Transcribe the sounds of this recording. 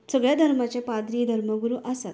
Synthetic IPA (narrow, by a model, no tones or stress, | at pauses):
səɡɭjad̪ʱəɾmat͡ɕjapad̪ɾid̪ʱəɾməɡuɾuːʔəsa̰t̪